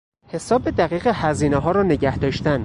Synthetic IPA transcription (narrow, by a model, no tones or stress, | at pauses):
he̞sɒːbed̪æɣiːɣehæziːneɦɒːɾɒːne̞ɟæhd̪ɒːʃt̪æn